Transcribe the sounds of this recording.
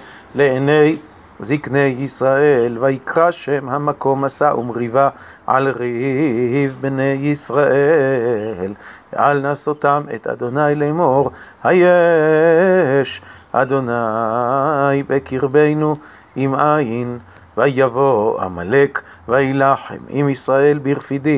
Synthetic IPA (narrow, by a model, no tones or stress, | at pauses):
leenej | ziknejːisʁaelvajikʁaʃemhamako̞masaʔumʁiva | ʕa̰lʁihhivbnejːisʁaʔe | l̰ | ʔalnasot̪amḛt̪a̰d̪o̞najlemoʁhaje | ʃʔa̰d̪o̞na | jbekiʁbejnu | imainvajavoa̰malek | vailaħḛmḭmisʁae̞lbiʁfid̪i